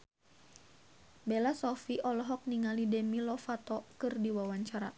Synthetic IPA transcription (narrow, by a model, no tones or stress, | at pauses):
bɛlasɔfiʔɔlɔɦɔk̚niŋalidɛmilɔfat̪ɔkɨrdiwawaɲt͡ʃaɾa